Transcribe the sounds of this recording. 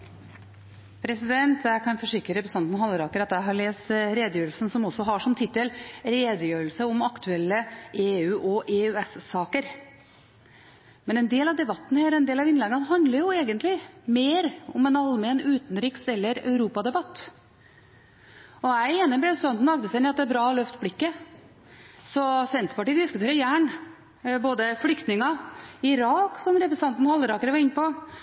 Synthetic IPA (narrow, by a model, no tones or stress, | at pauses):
pʰɾɛsɪd̪ɛnt̪ʰjæɪkʰɑnfɔʂɪkɾəɾəpɾsɑnd̪n̩ɦɑlːəɾɑkəɾɑt̪jæɪɦɑɭeːst̪ɾeːd̪əjøːɾəlsən̩sɔmɔsːɔɦɑʂɔmt̪ʰɪt̪ːəlɾeːd̪əjøːɾəlsəɔmɑkt̪ʰʉɛlːəeːʉːʔɔʔeːʉɛssɑːkəɾ | mɛnɛnd̪eːlɑʋd̪ɛbɑt̪ːn̩hæːɾɛnd̪eːlɑʋɪnlɛɡːəɑnɦɑnd̪ləɾjʊeːɡənt̪lɪmeːɾɔmɛnɑlmɛːnʉːt̪nɾɪksɛlːəɾœ̰ʉɾuːpɑd̪ɛbɑt̪ː | ɔæɪeːnəpɾɛsɑnn̩ɑɡd̪əsɛɪnɪɑt̪d̪æːbɾɑːlœft̪blɪkːə | sɔsɛnt̪ɾpɑʈiːd̪ɪskʉt̪ʰeːɾəɾjæːɳ | boːd̪əflʏkt̪nɪŋɑɪɾɑːksɔmɾɛpɾɛsɑnt̪n̩hɑlːəɾɑːkəɾəʋɑɾɪnːpɔ